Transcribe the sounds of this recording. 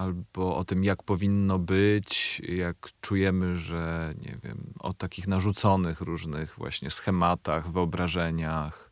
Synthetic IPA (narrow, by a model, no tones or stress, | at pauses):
albɔʔɔt̪ɘmjakpɔvʲinːɔbɘt͡ɕjakt͡ʂujɛmɘʐɛɲɛ̰vʲjɛ̰mɔ̰t̪akʲixnaʐut̪sɔnɘxɾuʐnɘɣvwa̰ɕɲɛsxɛmat̪aɣvɘɔbɾaʐɛɲax